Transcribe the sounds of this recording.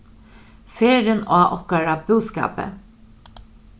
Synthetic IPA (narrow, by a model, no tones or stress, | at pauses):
feːɾənaːʔɔhkaɹabuːska̰ːpə̰